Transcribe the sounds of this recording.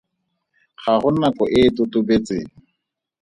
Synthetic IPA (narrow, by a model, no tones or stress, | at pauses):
χaχʊnakɔʔɪtʊtʊbet͡seːŋ̩